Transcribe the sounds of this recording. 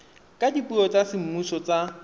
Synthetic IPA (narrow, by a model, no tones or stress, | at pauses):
kʼadipʼuɔt͡sʼasɪm̩musɔt͡sa